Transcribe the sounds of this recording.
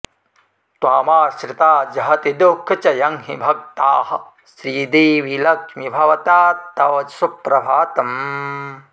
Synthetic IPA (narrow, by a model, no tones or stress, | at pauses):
t̪waːmaːʃɾɪt̪aːd͡ʒɐɦɐt̪id̪ukʰːɐt͡ʃɐjɐŋɦibʱɐk̚t̪aːɦɐ̆ | sɾiːd̪eːʋilɐkmibʱɐʋɐt̪aːt̪ɐʋɐsupɾɐbʱaːt̪ɐm